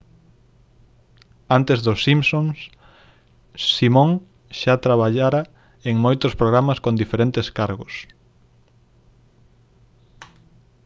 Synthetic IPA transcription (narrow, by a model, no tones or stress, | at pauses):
ant̪ezðʊsːimsõŋs | simõŋ | ʃat̪ɾaβaʎaɾa | eŋmojt̪ʊspɾoɣ̞ɾamɐskond̪ifeɾent̪eskaɾɣʊs